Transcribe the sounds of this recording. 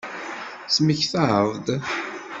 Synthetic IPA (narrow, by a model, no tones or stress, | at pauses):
sməçθaʕəvd̪